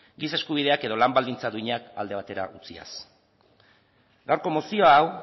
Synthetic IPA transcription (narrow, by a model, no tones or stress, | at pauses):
ɡise̞skuβ̞ið̞e̞ake̞ðo̞lambald̪int͡saðuiɲaka̰ld̪e̞β̞at̪e̞ɾa̰ʔut͡sia̰s | ɡawɾko̞mo̞sio̞aːw